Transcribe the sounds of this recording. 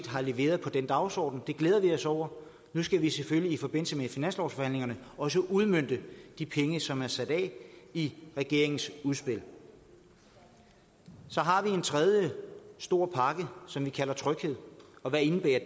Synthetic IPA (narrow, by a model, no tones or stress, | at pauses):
d̥ɦɑ̈le̝ʋe̝̰ːɐð̞ˠpʰɒ̽d̥end̥ɑ̈ʊsɒ̰ːd̥n̩d̥e̝ɡ̥leːðˠɐʋiɒ̽sɒʊ̰ɐ | nusɡ̥æʋiseføliːfɒ̽b̥e̝n̰l̩səmefinæn̰slɒsfɒ̽hæn̰leŋɐnəɒ̽s̬əʔuð̞ˠmøn̰d̥əd̥ipʰeŋəsɒ̽mæɐsæd̥ɛ̰ːiʁɛɡ̥e̝ɐe̝ŋn̩suðˠsb̥e̝l̰ | sɒ̽ɦɑ̈ʋie̝nt͡sʰʁɛð̞ˠjəsd̥o̝ɐ̰pʰɑ̈ɡ̥əsɒ̽mʋikʰælɐt͡sʰʁœɡ̥he̝ð̞̰ˠɒ̽ʋæɐe̝nb̥ḛːɐ